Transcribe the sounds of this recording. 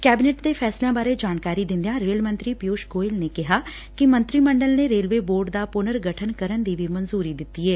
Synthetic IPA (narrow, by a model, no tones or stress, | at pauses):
kɛːbɪneːʈd̪eːpʰɛːslejãːbaːɾeːd͡ʒaːnkaːɾiːd̪ɪ̃nd̪ijãːɾeːəlmə̃nt̪ɾiːpɪjoːʃɡoːɪlneːkɪɦaː | kɪmənt̪ɾiːməɳɖəlneːɾeːlʋeːboːɾɖd̪aːpʊnəɾɡəʈʰənkəɾənd̪iːʋiːmənzuːɾiːd̪ɪt̪ːiːɛː